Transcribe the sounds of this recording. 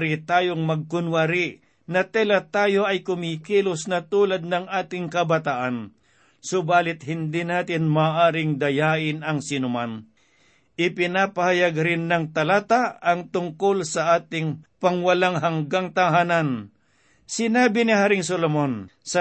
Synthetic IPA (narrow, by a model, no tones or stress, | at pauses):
ɾɪt̪aːjoŋmɐɡ̚kʊnwaɾɪ | nɐt̪ɛlɐt̪aːjo̞ʔɐjkʊmiːkiːlʊsnɐt̪uːlɐd̪̚nɐŋʔaːt̪ɪŋkɐbɐt̪aʔan | sʊbaːlɪt̪̚hɪnd̪inaːt̪ɪnmaːʔaːɾɪŋd̪ɐjaːʔɪnɐŋsɪnʊman | ʔɪpɪnaːpɐhɐjaɡɾɪnːɐŋt̪ɐlaːt̪aɐŋt̪ʊŋkolsɐʔaːt̪ɪŋpɐŋwɐlaŋɦɐŋɡaŋt̪ɐŋɦaːnɐn | sɪnaːbɪnɪɦaːɾɪŋsolomonsɐ